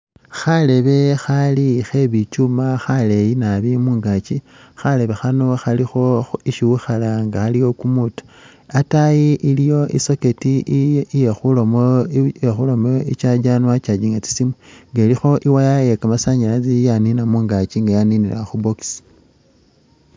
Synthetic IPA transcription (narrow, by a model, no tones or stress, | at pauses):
xale̞βe̞xalixe̞βit͡ʃumaxale̞jinaβimuːŋɡat͡ʃi | xale̞βe̞xano̞xalixo̞iʃiwuxalaŋɡaxalijo̞kumutḁ | atajiʔilijo̞ḭso̞ke̞tijexulomexulo̞moit͡ʃad͡ʒanwat͡ʃad͡ʒiŋɡat͡si̥simweŋɡelixo̞ʔiwajajekamasaɲilat͡sijaninamuːŋɡat͡ʃiŋɡajaninilaxuboksi̥